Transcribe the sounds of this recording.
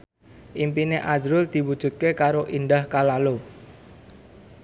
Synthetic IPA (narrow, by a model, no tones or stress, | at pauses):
ʔimpineʔazɾʊld̪̥i̤wud̥ʒ̥ṳt̪̚kekaɾoʔinɖahkalalo